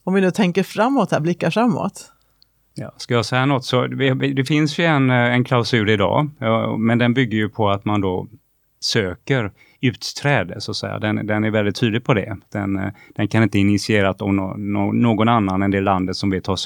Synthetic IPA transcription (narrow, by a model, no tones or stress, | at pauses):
ɔmvɪnʉːt̪ʰɛŋkəɾfɾamːot̪hæːɾblɪkːafɾamːo̰ːt̪ | jɑ̰ːskajɑːsɛjːanɔt̪ːsɔvɪvɪd̪ɛfɪnsjɵɛnɛnkʰlaʊsʉ̟ːɾɪd̪ɑ̰ːmɛnd̪ɛnbʏɡːəɾjɵpʰɔat̪mand̪ɔ | søːkəɾ | ʉ̟ːt̪t̪ʰɾɛːd̪əsʊat̪sɛ̰jːa̰d̪ɛnd̪ɛnæɾvɛld̪ɪt̪ʰːyːd̪lɪɡ̚pʰɔd̪ɛ̰d̪̥ɛnd̪̥ɛnkʰanɪnt̪əɪnɪt̪sɪeːɾasɔmnnoːɡɔnanːanɛnd̪eːlːand̪ət̪sɔmvɪt̪ʰɑːʂ